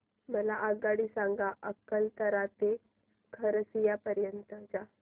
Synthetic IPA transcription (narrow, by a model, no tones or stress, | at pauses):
məlaʔəɡaɽiːsãŋɡaʔəkəlt̪əɾat̪e | kʰəɾəsijapəɾjənt̪əd͡ʑa